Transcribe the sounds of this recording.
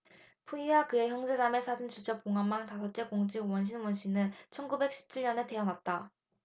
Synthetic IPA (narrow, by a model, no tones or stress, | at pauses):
pʰuiwakɯe̞çjʌŋd͡ʑe̞d͡ʑame̞sʰad͡ʑint͡ɕud͡ʑʰʌkoŋɦammːantasʰʌt̚t͡ɕ͈e̞koŋd͡ʑiɡwʌnɕ̬ʰinwʌnɕʰinɯnt͡ɕʰʌnɡube̞k̚ɕ͈ʰi̥p̚t͡ɕʰiʎɲʌne̞te̞ʌnat̚t͈a